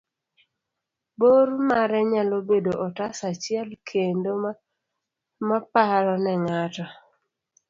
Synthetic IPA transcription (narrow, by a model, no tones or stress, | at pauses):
boɾmaɾɛɲalobedoʔɔtasat͡ʃɪɛlkʰendo | mapaɾɔnɛŋatɔ